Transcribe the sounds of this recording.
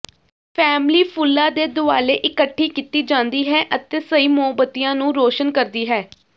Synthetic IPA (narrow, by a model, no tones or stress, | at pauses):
pʰɛːmliːpʰʊlːaːd̪eːd̪ʊa̰ːleːʔɪkəʈʰːiːkit̪iːd͡ʒãːnd̪iːɦɛːʔət̪eːsəiːmʊəbət̪ɪjãːnũːɾoːʃənkəɾd̪iːɦɛː